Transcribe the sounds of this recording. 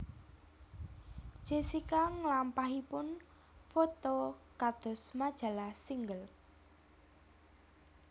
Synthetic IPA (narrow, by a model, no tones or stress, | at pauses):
ʒ̥e̤sikaŋlampaɦipʊn | fot̪okad̪̥ɔ̤smad̥ʒ̥a̤lasiŋɡəl